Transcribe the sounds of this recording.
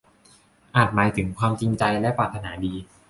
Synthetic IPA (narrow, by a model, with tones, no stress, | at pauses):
ʔaː˨˩t̪̚maː˩˦jt̪ʰɯ˩˦ŋkʰwaː˧mt͡ɕi˧ŋt͡ɕa˧jlɛ˦˥pɾaː˨˩t̪ʰːa˧naː˩˦˥diː˧